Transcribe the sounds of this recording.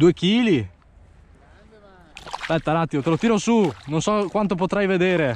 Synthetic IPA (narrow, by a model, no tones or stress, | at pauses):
d̪uːek̟iːli | spɛt̪ːalat̪ːjot̪elot̪iːɾosunonsɔkːwant̪op̬ot̪ɾajved̪eːɾe